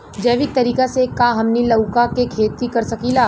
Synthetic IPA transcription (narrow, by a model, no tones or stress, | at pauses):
d͡ʒɐːʋɪk̚t̪ɐɾiːkasekaɦɐmnilɐwkakekʰeːt̪ikɐɾsɐkilaː